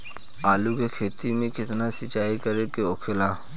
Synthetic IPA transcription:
aːlukekʰeːt̪imẽkɪt̪nasɪt͡ʃaːikəɾekeoːkʰelaː

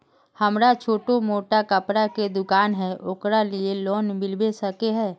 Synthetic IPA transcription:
həmɾat͡ʃʰoːʈomoːʈakəpɾaked̪ʊkaːnɦɛʔokɾalieloːnmɪlbesəkeɦɛː

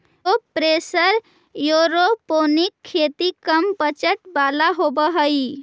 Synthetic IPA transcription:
opɾesəɾ | joɾoponikʰːet̪ikəmpət͡ʃəʈbalaɦobəɦəj

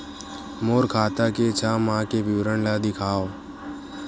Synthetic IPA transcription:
moːɾkʰaːt̪aket͡ʃʰaːmãːkeʋɪʋɾəɳlad̪ɪkʰaːo

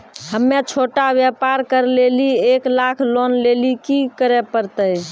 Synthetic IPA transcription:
həmːet͡ʃʰoʈabjɛpaɾkəɾlelieklakʰlonlelikikəɾɛpəɾt̪əj

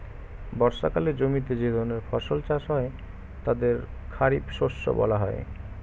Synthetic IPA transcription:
bɔɾʃakaled͡ʑomit̪̬ed͡ʑed̪ʱɔɾneɾfɔʃolt͡ɕaʃɦɔe | t̪ad̪eɾkʰaɾibʃoʃːo̰bɔ̰laɦɔ̰e

